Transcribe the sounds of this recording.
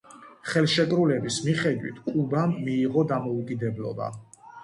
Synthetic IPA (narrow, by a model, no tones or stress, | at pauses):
χɛlˠʃɛkʼɾulɛbismiχɛd̪wḭt̪ʰkʼubamːiːʁɔd̪amɔukʼid̪ɛblˠɔ̰ba̰